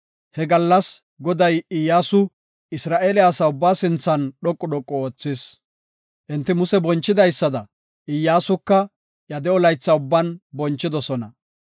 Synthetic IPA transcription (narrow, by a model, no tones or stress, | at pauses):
hɛɡɐlːɐs | ɡɔd̪ɐjɪjːaːsʊ | ɪsɾaːʔeːlɪaːsɐʊbːaːsɪnt͡sːɐnɗɔkʼːɔɗɔkʼːɔoːt͡sːɪs | ʔɪnt̪ːɪmʊsɛbɔnt͡ʃːɪd̪ɐjsːɐd̪ɐ | ɪjːaːsʊkːɐ | jɐd̪ɛɔlɐjt͡sːɐʊbːɐnbɔnt͡ʃːɪd̪ɔsɔnɐ